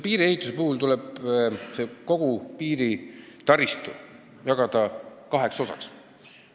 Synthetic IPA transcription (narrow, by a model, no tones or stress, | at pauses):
piːɾie̞ɦit̪ˑuse̞puhult̪uleb̥se̞ko̞ɡ̥upiːɾi | t̪ɑrist̪u | jɑɡ̥ɑd̪̥ɑkɑɦe̞kso̞sɑ̰ks